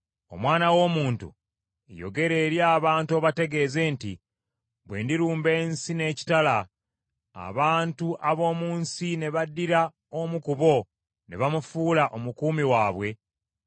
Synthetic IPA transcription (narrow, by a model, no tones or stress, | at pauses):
o̞̰mwaːnawo̞ːmuːntṵ | jo̞̰ɡe̞ɾe̞ːɾjaːβaːntuoβate̞ɡe̞ːze̞ːntḭ | βwe̞̰ːndiɾuːmbe̞ːnsine̞ːci̥tala | a̰βaːntuʔaβo̞ːmuːnsine̞βadːiɾa | omukuβo̞ | ne̞βamufuːlaʔomukuːmiwaːβwe̞